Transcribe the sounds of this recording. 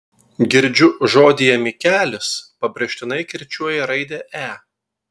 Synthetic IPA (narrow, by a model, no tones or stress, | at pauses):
ɡʲɪɾʲˑd͡ʒʲʊʒoːd̪ʲiːjɛmʲikʲæːlʲɪspɐbʲɾʲɛʃʲt̪ʲɪnɐɪkʲɪɾʲt͡ʃʲuɔjɛɾɐɪd̪ʲɛːʔæː